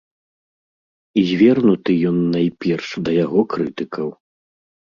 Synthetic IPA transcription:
izʲvʲɛrnut̪ɨjɔnːajpʲɛrʂd̪ɐjaɣɔkɾɨt̪ɨkʰɐw

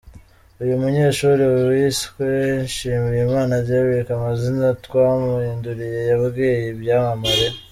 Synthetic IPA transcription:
ujumuɲe̞ːʃuːɾiwiskwenʃiːmiɾimaːnaɾɟaβiɾekamazinatwaːmuhiːnduɾije̞jaβɡeːjebjaːmamaɾe̞

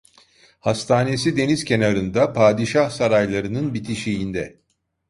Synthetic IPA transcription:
hast̪ʰaːne̞sid̪e̞nizcʰe̞naɾɯnd̪apʰaːd̪iʃahsaɾajlˠaɾɯnɯnbit̪ʰiʃijind̪ɛ

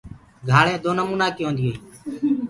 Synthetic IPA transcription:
ɡʱaːɭẽːd̪oːnəmuːnaːkɪjõːnd̪iːoiː

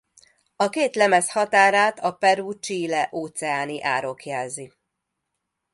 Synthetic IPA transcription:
ɒkeːt̪lɛmɛshɒt̪aːɾaːt̪ʰɒpɛɾuːt͡ʃiːlɛʔoːt̪sɛaːniʔaːɾo̞kjɛlzi

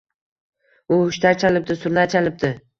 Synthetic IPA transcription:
ʊʊʃt̪ʰat͡ʃʰalɪp̚d̪ɪsʊɾnat͡ʃʰalɪp̚d̪ɪ

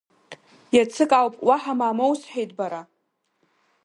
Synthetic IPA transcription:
jat͡sʰɨkʼawpʼwaħamaːmowsħᶣejtʼbaɾa

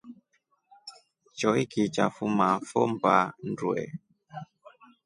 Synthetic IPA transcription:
t͡ʃɔikit͡ʃa̰fumafɔmpa̰n̩dwɛ̰

